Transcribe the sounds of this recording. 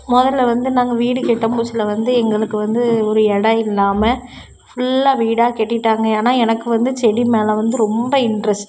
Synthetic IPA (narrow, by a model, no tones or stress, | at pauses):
mɔðɐlːɐʋɐnd̪ɯnaːŋɡɐʋiːɽɯkɛʈːɐmbusɪlɐʋɐnd̪ɯɛŋɡɐɭɯkːɯʋɐnd̪ɯɔɾɯɛɽɐɪlːaːmɐ | fʊɭːaːʋiːɽaːkɛʈːɪʈːaːŋɡɐaːnaːɛnɐkːɯʋɐnd̪ɯt͡ʃɛɽimeːlɐʋɐnd̪ɯɾɔmbɐɪɳɖɾɐsʈ